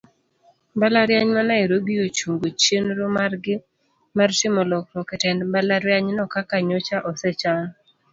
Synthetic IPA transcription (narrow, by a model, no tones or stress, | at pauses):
balaɾjaɲmanaiɾoɡiot͡ʃuŋɡot͡ʃenɾomarɡɪ | martɪmɔlɔkmokɛtɛnbalaɾjaɲnɔkakaɲot͡ʃaʔɔsɛt͡ʃa